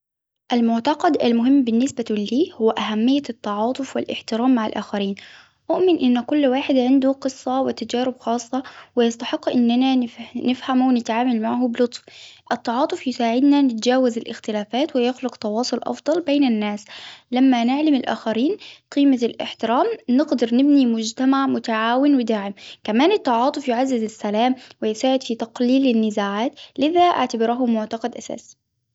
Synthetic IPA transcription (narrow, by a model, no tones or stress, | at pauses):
ʔalmʊʕt̪ɑqɑd̪ʔalmʊɦɪmːbɪnːɪsbaliːhʊwːʔaɦamːɪjːat̪ːɑʕɑːt̪ˤʊfwɪlʔɪ̰ħt̪ɪɾaːmːaʕalʔaːxaɾiːn | ʔʊʔmɪnʔɪnːkʊlːwaːħɪd̪ʕɪnd̪uqɨsˤːɑwɪt̪ad͡ʒaːɾɪbxɑːsˤːɑwɪjɑst̪ɑħɪqːʔɪnːananɪfnɪfhamwɪnɪt̪ʕaːmalmaʕhʊbɪlʊt̪ˤfʔɪt̪ːɑʕɑːt̪ˤʊfjɪsaːʕɪd̪nanɪt̪d͡ʒaːwazɪlʔɪ̰xt̪ɪlaːfaːt̪wɪjʊxlʊqt̪ɑwɑːsˤʊlʔɑ̰fd̪ˤɑlbeːnanːaːslamːanɪʕlamɪlʔa̰ːxaɾiːnqiːmalʔɪ̰ħt̪ɪɾaːmnɪɡd̪ɑɾˤnɪbnimʊd͡ʒt̪amaʕmʊt̪aʕaːwɪnwɪd̪aːʕɪmkamaːnɪt̪ˤːɑʕɑːt̪ˤʊfjɪʕazːɪzasːalaːmwɪjɪsaːʕɪd̪̥fit̪ɑqliːlɪnːɪzaːʕaːt̪lɪðaʔa̰ʕt̪abɪɾaɦʊmʊʕt̪ɑqɑd̪ʔasa̰ːs